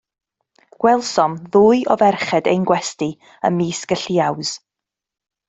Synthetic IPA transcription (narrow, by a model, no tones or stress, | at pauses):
ɡ̥wɛlˠsɔmðuːɨʔɔvɛrχɛdḛjnɡwɛsti | ə̰miːsɡ̥əɬiawz̥